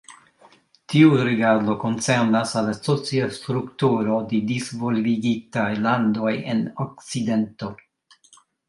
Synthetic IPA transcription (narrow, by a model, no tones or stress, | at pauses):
tʰiuɾeɡaɾdo̞ko̞nseɾnasalasot͡siast̪ɾuktuɾo̞dedizvo̞lviɡitajlando̞jḛnok̚t͡side̞nto̞